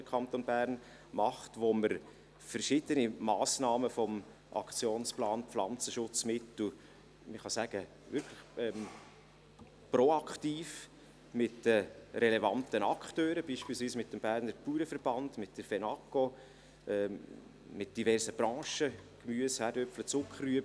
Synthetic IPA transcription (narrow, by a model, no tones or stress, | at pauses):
dəkʰɑnt̪onbæːɾn | mɑχtʋoməɾ | fəɾʃɪd̪ənimɑːsnɑːməfɔm | ʔɑ̰kt͡sjoːnsplɑːnpflɑnt͡səʃʊt͡smɪtl̩ | məχɑsæɡ̥ə | vʏɾkʰləχɛm | pɾoɑkχtiːf | mɪtəɾɛlɛvɑntənɑkχtøːɾəbiːʃpiːlsviːsmɪtdmb̥æːɾnəɾpuːɾəfəɾb̥ɑnd̥mɪt̚d̥əfɛnɑko | ʔɛː | mɪt̚d̥ivɛrsəb̥ɾɑ̃ːʃəkmyəshæːɾdœpflət͡sʊkχəryəbə